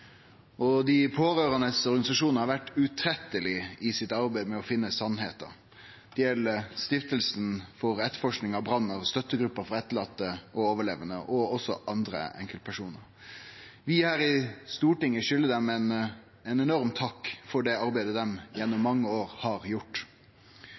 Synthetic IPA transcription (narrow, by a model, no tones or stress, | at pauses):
ʔɔd̪ɪpʰoːɾøːɾɑnəsɔɾɡɑnɪsɑʂuːnəhɑɾʋæʈːʉt̪ʰɾɛt̪ːəlɪɪsɪt̪ɑɾbæɪmɛɔfɪnːəsɑnɦḛːt̪ə̰ɾ | d̪̥ɛjɛlːəst̪ɪft̪əlsnfɔɾɛt̪ːəɾfɔʂknɪŋɑbɾɑnːəɾst̪œt̪ːəɡɾʉpːəɾfɔɛt̪ːəɭɑt̪ːəʔɔoːʋəɭeːʋənə̰ʔɔɔsɔʔɑnd̪ɾə̰ɛ̰ŋkəl̚pʰæʂuːnə̰ɾ | ʋɪhæːɾɪst̪uːʈɪŋːəʃʏlːəd̪ɛmɛn | ɛnɛnɔɾmt̪ʰɑkːfɔɖɛɑɾbæɪd̪əd̪ɛmjɛnːʊmːɑŋːəoːɾhɑɾjʊʈː